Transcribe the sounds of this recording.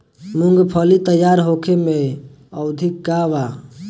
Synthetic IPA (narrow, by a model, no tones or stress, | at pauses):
muŋɡpʰəlit̪əjaɾɦokʰeme | əʊd̪ʱikːaʋa